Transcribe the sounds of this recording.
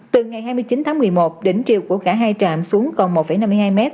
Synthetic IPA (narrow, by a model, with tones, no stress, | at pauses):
t̪ɨ˨˩ŋa˨˩jɦaː˧jmɨ˧əjt͡ɕi˨˦nt̪ʰaː˨˦ŋmɨ˨˩əjmo˨˩t̚ɗe˨˩nt͡ɕi˨əwku˧˩əkaː˧˩ɦaː˧jt͡ɕaː˧˨msu˨˦əŋkɔ˨˩nmo˨˩t̚fə˧˩jna˧m˧jhaː˧jmɛ˦˥t̚